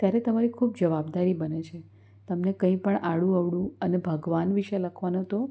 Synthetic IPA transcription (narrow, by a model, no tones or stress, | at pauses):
t̪jaɾet̪əmaɾikʰubd͡ʒəʋabd̪aɾibənet͡ʃʰe | t̪əmnekə̃ĩpəɳʔaɽũəʋɽũənebʱəɡʋanʋiʃeləkʰʋanõt̪o